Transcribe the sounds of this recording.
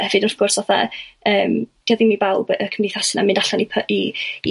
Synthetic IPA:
hɛvɨdθɡ̥ʊrsvaθa̰əːmd̥iaðimibalˠbəkʰəmniθasɪnamɨndaɬanipʰi

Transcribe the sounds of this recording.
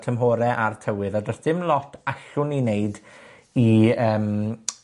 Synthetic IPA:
tʰəmɦoːɾɛʔartʰəwɨðadrɔsð̥ɪmlˠɔtʰaɬʊnineɨd | iəːm

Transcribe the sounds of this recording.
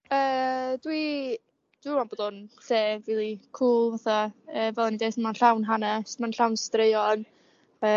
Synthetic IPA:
əːdwi | d̥wianboːd̥ʊnseːviːlˠikʰuːlˠvaθɔəːvɛlˠanidejθəmanɬawnɦanɛsmanɬawnstreɨɔn | əː

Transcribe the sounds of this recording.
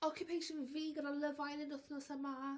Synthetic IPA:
ɔkʰjupʰejʃənviːɡədalˠəvajnənʊθnɔsəma

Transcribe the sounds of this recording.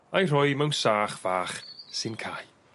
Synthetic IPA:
ajr̥ʊɨmɛwnsaːχv̥aːχsɨnkʰa̰ːj

